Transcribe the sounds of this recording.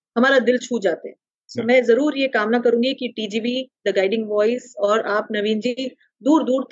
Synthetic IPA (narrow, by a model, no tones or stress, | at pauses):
hɐmaːɾad̪ɪlt͡ʃʰuːd͡ʒaːt̪eɦɛ | soːmɛ̃ːzɐɾuːɾjekaːmnakɐɾũːɡikiʈiːd͡ʒiːʋid̪əɡaːɪɖɪ̃ŋɡʋɔːɪsɔːɾaːpnɐʋĩːnd͡ʒi | d̪uːɾd̪uːɾt̪ʰ